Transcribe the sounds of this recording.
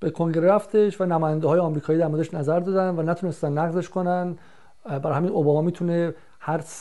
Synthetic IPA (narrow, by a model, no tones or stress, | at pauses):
b̥ekʰoŋɟe̞ɾeɾæft̪e̞ʃvænæmɒːjænd̪ehɒːjeɒmɾiːkʰɒːjid̪æɾmoɾdd̪eʃnæzæɾd̪ɒːd̪ænvænæt̪ʰunest̪ænːæɣze̞ʃkʰo̞næn | bæɾhæminʔobɒːmɒːmiːt̪ʰune | hæɾs